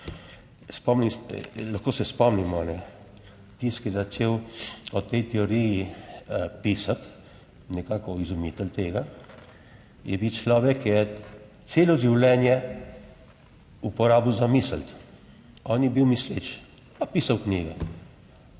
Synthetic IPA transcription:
spɔmnislaxkoːsɛspɔmnimɔnɛ | t̪iskjɛzat͡ʃeːwɔt̪ɛjt̪ɛoɾiji | pisat̪ | nɛkaːkɔizumit̪ɛlt̪eːɡa | jʔɛbiwt͡ʃlɔʋɛkːjɛ | t̪seːlɔʒiwlɛːnjɛ | upɔɾaːbiwzamisəlt̪ | ɔːnjɛbiwmislet͡ʃ | papiːsawkniɡɛ

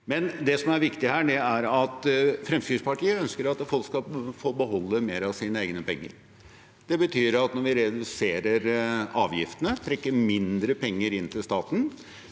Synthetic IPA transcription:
mɛnd̪ɛsɔmæɾʋɪkt̪ɪhæːɖɛæɾɑt̪fɾɛmskʏspɑʈiːəœnskəɾɑt̪fɔlkskɑfoːbəɦɔlːəmeːɾɑʋsiːnəeːɡnəpʰɛŋːə̰ɾ | d̪ɛbət̪ʰyːɾɑt̪nɔɾʋɪɾɛd̪ʉseːɾəɾɑːʋjɪ̰ft̪ənət̪ʰɾɛkːəɾmɪnd̪ɾəpɛŋːəɾɪnt̪ʰɪlst̪ɑːt̪n̩

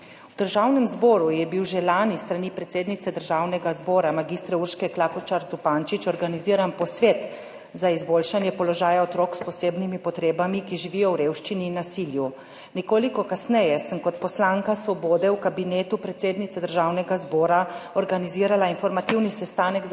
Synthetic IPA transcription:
wd̪əɾʒawnɛmzbɔːɾujɛbiwʒelaːnist̪ɾanipɾɛt̪seːd̪nit̪sɛd̪əɾʒaːwnɛɡazbɔːɾamaɡiːst̪ɾɛuɾʃkɛklaːkɔt͡ʃaɾzupaːnt͡ʃit͡ʃɔɾɡaniziːɾanpɔsʋeːt̪ | zaizboːlʃanjɛpɔlɔʒaːjaɔt̪ɾɔːkspɔseːbnimipɔt̪ɾeːbamikiʒiʋijɔwɾeːwʃt͡ʃiniːnːasilju | nikoːlikɔkasnɛjɛsəmkɔt̪pɔslaːŋkasʋɔboːd̪ɛwkabineːt̪upɾɛt̪seːd̪nit̪sɛd̪əɾʒawnɛɡazbɔːɾaɔɾɡaniziːɾalainfɔɾmat̪iwnisɛst̪aːnək

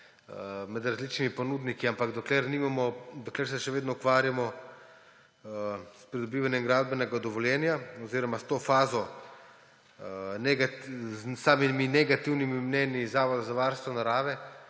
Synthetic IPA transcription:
mɛd̪ɾazliːt͡ʃnimipɔnud̪nikiampaɡd̪ɔklɛɾniːmamɔd̪ɔklɛːɾsɛʃɛʋeːd̪nɔukʋaːɾjamɔ | spɾid̪ɔbiːʋanjɛmɡɾaːd̪bɛnɛɡad̪ɔʋɔljɛːnjaɔziːɾɔmast̪oːfaːzɔ | nɛɡatsaːmiminɛɡat̪iwnimimnɛːnizaːʋɔd̪azaʋaɾst̪ʋɔnaɾaːʋɛ

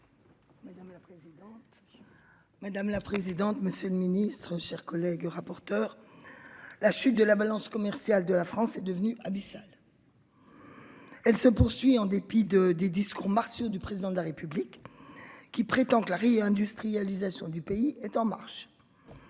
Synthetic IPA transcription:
mad̪amlapχezid̪ɑ̃t̪ | mad̪amlapχezid̪ɑ̃t̪məsjøləminist̪χəʃɛʁkɔlɛɡʁapɔʁt̪œːʁ | laʃyt̪̚d̪əlabalɑ̃skɔmɛʁsjald̪əlafχɑ̃sɛd̪əvənyʔabisal | ɛlsəpuʁsɥiɑ̃d̪epid̪əd̪ed̪iskuʁmaʁsjod̪ypχezid̪ɑ̃d̪əlaʁepyblikː | ipχet̪ɑ̃kəlaʁeɛ̃d̪yst̪χijalizasjɔ̃d̪ypeiɛt̪ɑ̃ma̰ʁʃ

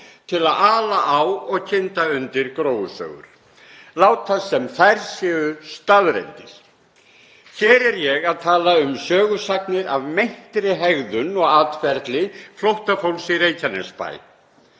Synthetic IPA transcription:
t̪ʰɪlaðaːlaʔawɔɣcʰɪnt̪aʏnt̪ɪɾkɾoːwʏsœ̰ːɣʏ̰ɾ̥ | laːwt̪ʰasɛmθajɾsjɛːɣʏst̪aðɾḛnt̪ɪɾ̥ | çɛːɾɛɾjɛɣaðt̪ʰaːlaʏmsœːɣʏsaknɪɾavmejn̥t̪ɾɪɦɛɣðʏnɔɣaːt̪fɛɾt̪lɪflowht̪afowlsireːjcanɛspa̰ːj

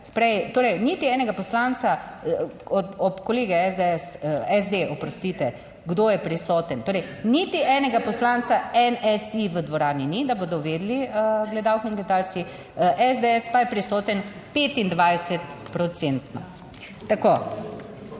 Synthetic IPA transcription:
pɾɛjt̪oːɾɛjnit̪iɛːnɛɡapɔslaːnt̪sa | ɔɔpkɔleːɡɛɛzd̪eɛsɛzd̪eʔɔpɾɔst̪it̪ɛ | ɡd̪oːjɛpɾisɔːt̪ənt̪oːɾɛjnit̪iʔɛnɛɡapɔslaːnsaɛnɛsiʋəd̪ʋɔɾaːninid̪aboːd̪ɔʋeːd̪liəɡlɛd̪aːwkiinɡlɛd̪aːlt͡s̪i | ʔɛzd̪eɛspajɛpɾisɔːt̪ən | peːt̪ind̪ʋajsɛt̪pɾɔt̪sent̪nɔ̰ | t̪akoː

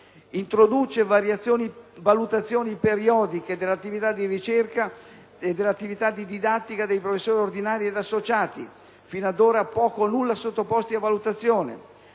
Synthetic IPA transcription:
int̪ɾod̪ut͡ʃevaɾjat̪sːjoːnivalut̪at̪sːjoːnipeɾiɔːd̪iked̪elːat̪ːivit̪ad̪ːirit͡ʃerka | ed̪ːelːat̪ːivit̪ad̪id̪id̪at̪ːikad̪ejpɾofesːoːɾiord̪inaːɾied̪asːot͡ʃaːt̪ḭ | finad̪oːɾapɔːkonulːasot̪ːopɔst̪iavːalut̪at̪sːjoːnḛ

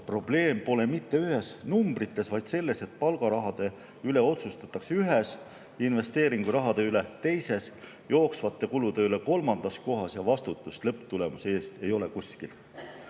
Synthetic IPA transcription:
pro̞b̥le̞ːmpo̞le̞mit̪ːe̞yɦe̞snumbrit̪ːˑe̞svɑjd̪̥se̞lːe̞se̞t̪̚ːˑpɑlɡ̥ɑɾɑɦɑd̪̥e̞ | yle̞o̞t̪sust̪ɑt̪ːˑɑkseyɦes | inve̞st̪e̞ːɾiŋɡ̥uɾɑɦɑd̪e̞ylet̪e̞jse̞s | jo̞ːksvɑt̪ːe̞kulud̪̥e̞yle̞ko̞lmɑnd̪̥ɑsko̞ɦɑsjɑvɑst̪ut̪ːˑust̪lɤpːˑt̪ule̞musee̞ːst̪e̞jo̞le̞kuskil

